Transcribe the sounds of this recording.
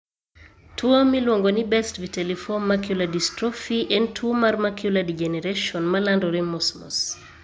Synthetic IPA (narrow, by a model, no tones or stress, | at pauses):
tuomilwɔŋɡonibɛstvitɛlifɔnmakjuladistɾɔfiʔɛntʰumaɾmakʰjuladid͡ʒɛnɛɾeʃɔnmalandɔɾimɔsmɔ̰s